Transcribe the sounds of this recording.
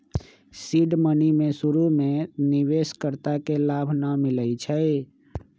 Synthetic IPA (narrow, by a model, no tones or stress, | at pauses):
siɖmənimesuɾumeniʋeskəɾt̪akelabʱnəmiləjt͡ʃʰəj